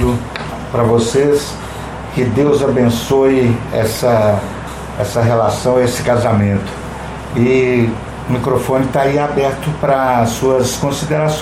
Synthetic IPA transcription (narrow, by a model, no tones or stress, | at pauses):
d̪ʊ | pɾɐvoses | kɪd̪ewzabẽsoɪɛ̰sɐ | ɛsɐɦelasɐ̃w̃esɪ̥kazamẽnt̪ʊ̥ | ɪ | ʊmikɾofõnɪt̪aiabɛɾt̪ʊpɾɐsuɐskõsid̪eɾasõ